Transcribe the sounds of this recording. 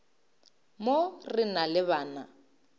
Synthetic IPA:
morɪnalɪβaːna

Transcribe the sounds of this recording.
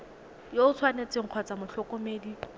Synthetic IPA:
joʊt͡sʰwanet͡sɪŋ̩q͡χʰwɔt͡samʊɬɔkɔmeːdi

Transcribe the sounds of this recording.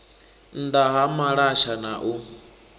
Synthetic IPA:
n̩d̪aɦamaɺaʃanaʔu

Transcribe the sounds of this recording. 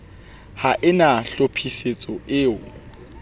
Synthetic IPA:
haʔɪnaɬopʰiset͡sʼɔʔɪːʊ

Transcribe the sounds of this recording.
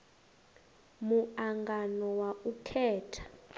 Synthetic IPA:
muaŋɡanɔwaʔukʰɛːtʰḁ

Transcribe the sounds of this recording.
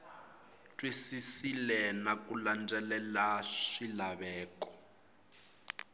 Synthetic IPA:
tʼwisisilɛnakuland͡zɛlɛlaʂilaβɛːkɔ̥

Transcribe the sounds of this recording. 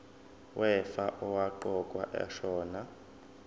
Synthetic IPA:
wʔɛfaʔɔwaǃɔkʼwa̰ʔɛ̰ʃɔːna

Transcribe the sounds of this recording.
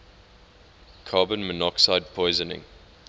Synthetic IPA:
kʰɑːbə̃nmənɔksaɪd̚pʰɔɪzənɪ̰̃ŋ

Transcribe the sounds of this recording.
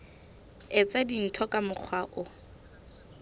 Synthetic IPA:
ɛt͡sadin̩tʰɔkʼamʊk͡xʰwaʔʊ

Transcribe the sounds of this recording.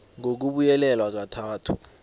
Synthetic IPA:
ŋok̬uɓujɛlɛlwak̬atʰaːtʰu

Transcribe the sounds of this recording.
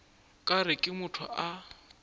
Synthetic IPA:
kʼaɾɪkʼɪmʊtʰʊ̰ʔa

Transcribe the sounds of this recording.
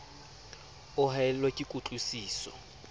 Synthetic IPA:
ʊɦaɛlwakʼikʼut͡ɬʼusiːsɔ̰

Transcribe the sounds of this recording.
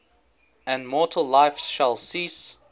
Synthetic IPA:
ə̃nmɔˑtʰəl̩ˠlaɪfsʃəlˠsis

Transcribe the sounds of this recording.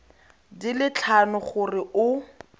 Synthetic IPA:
dilɪt͡ɬʰanʊχʊrɪʔʊ

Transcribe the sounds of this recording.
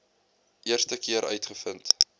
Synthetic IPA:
ʔiərstəkiəɾʔœ̰ɥtχəfənt

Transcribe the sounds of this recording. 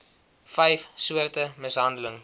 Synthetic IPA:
fɛjfsuərtəməsɦɐndələŋ

